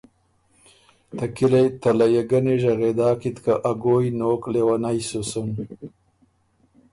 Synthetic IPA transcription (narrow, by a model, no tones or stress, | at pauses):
t̪akilajt̪alajaɡaneʒaɣed̪aːkit̪kaʔaɡojnoːklewanajsusʊn